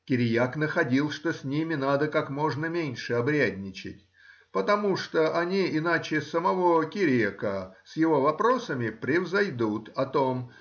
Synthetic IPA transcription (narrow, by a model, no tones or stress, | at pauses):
kʲɪɾʲɪjaknəxɐdʲilˠʂt̪osʲnʲimʲɪnad̪əkakmo̞ʐnəmʲenʲʂɨɐbɾʲædʲnʲɪt͡ɕɪ̰tʲ | pət̪ɐmuʂt̪oʔɐnʲiɪnat͡ɕɪsəmɐvo̞kʲɪɾʲekəsjɪvo̞vɐpɾo̞səmʲɪpɾʲɪvzɐjd̪ut̪ɐt̪o̞m